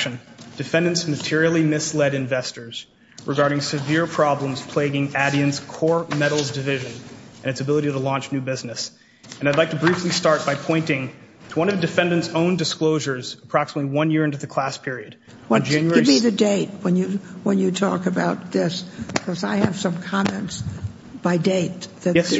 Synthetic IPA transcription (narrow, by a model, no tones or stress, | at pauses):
ʃɨ̃nd̥ɨfɛ̃ndɨ̃ntsmɨtʰɪɹil̩ˠimɪslɛɾɨ̃ɱvɛstə˞z̥ | ɹʔɨɡɑɹɾɪ̃ŋsɨvɪɹpʰɹ̥ɑblə̃mz̥pʰl̥eɪɡɪ̃ŋæɾiɨ̃nz̥kʰɔɹmɛɾl̩ˠzdɨvɪʒɨ̃nʔɨ̃ñɨtsɨbɪlˠəɾiɾəlɔ̃nt͡ʃnʉbɪznɨs | ɨ̃nadˡlaɪk̚tʰɨbɹiflistɑɹt̚b̥aɪpʰɔ̃ɪ̃ntɪ̃ŋtʰəwʌ̃nʌvdɨfɛ̃ndɨ̃ntsõʊ̃ndɨskloʊʒə˞zəpʰɹ̥ɑksəmətˡliwʌ̃njɪɹɪ̃ntʉðɨkʰl̥æspʰɪɹiɨd̚ | wʌd͡ʒæ̃njɛɨbiðɨdeɪt̚wə̃njɨwə̃njɨtʰɔ̰kɨbaʊt̪̚ðɪskʰʌzaɪɨv̥sʌ̃mkʰɑmɛ̃nts | b̥aɪdeɪt̪̚ðɨɛ